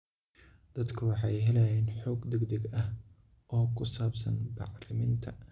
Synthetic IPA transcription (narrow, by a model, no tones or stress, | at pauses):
d̪̥ɐd̪kʰɐwɑħɑjɦɛlɛjɛːnħɔːɡd̪ɛɡd̪ɛɡɐh | ʔɔːkʰʊsaːbsɐ̰nbɑ̰ʕrɪmɪnt̪ʰɐ